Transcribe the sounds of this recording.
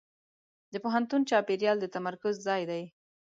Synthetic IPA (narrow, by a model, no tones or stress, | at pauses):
d̪əpoɦant̪unt͡ʃɑpeɾjɑld̪ət̪amaɾkʊzzɑjd̪aj